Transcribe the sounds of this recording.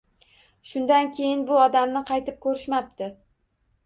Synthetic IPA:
ʃʊnd̪ankʲʰe̞jɪnbʊɒd̪amnɪqʰɑjt̪ʰɪp̚kʰɵɾɪʃmap̚t̪ʰɪ

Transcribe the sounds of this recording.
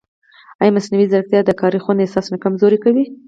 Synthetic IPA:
ajmasnawizaɾk̚t̪jɑd̪əkɑɾixwand̪esɑsnakamzoɾikawi

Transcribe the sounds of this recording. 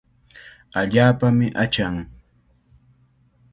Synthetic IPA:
aʎaːpamɪʔat͡ʃaŋ

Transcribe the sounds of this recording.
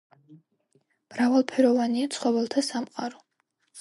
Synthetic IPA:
m̥ɾavalˠpʰɛɾɔvaniat̪sʰχɔvɛlˠt̪ʰasamqʼaɾɔ

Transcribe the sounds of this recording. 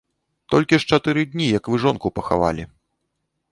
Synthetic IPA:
t̪ɔlʲkʲiʂt͡ʂat̪ɨɾɨd̪ʲnʲijɐkvɨʐɔnkupɐxa̰va̰lʲi

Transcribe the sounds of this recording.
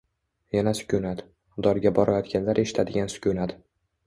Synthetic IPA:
janasʊ̥kʲʰʊnat̪ | d̪ɒɾɡʲabɒɾajɒt̪ɡʲanlaɾʔe̞ʃɪ̥t̪ʰad̪ɪɡʲansʊ̥kʲʰʊnat̪

